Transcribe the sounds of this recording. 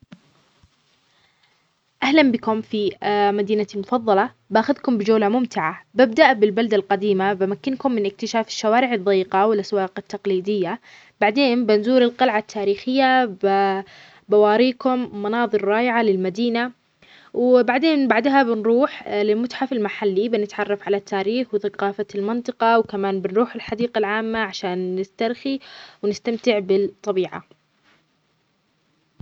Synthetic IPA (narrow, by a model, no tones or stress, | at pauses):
ʔahlambɪkʊmfimad̪iːnamʊfɑðˤːɑlɑ | bʔaxaðkʊmbɪd͡ʒawlamʊmt̪ɪʕabab̚d̪aʔbɪlbald̪alqɑd̪iːmabamakːɪnkʊmːɪnʔɪk̚t̪ɪʃaːfɪ̥ʃːawaːɾɪʕɑd̪ˤːijːqɑwɪlʔaswɑːqɪt̪ːɑqliːd̪ɪjːa | b̥aʕd̪eːnbɪnzuːɾɪlqɑlʕat̪ʰːaːɾiːxɪjːab | bawɑːɾiːkʊmːɑnɑːðˤɨɾːɑːʔɪʕalɪlmad̪iːna | wbaʕd̪eːnbaʕd̪ɦabɪnɾuːħlɪlmʊt̪ħafɪlmaħalːibɪnɪt̪ʕɑrˤːɑfʕalat̪ʰːaːɾiːxwθaqɑːfalmɪnt̪ˤɨqɑwkamaːnbɪnɾuːħɪlħad̪iːqalʕaːmːaʕaʃaːnːɪst̪aɾˤxiwnɪst̪amt̪ɪʕbɪt̪ˤːɑbiːʕa̰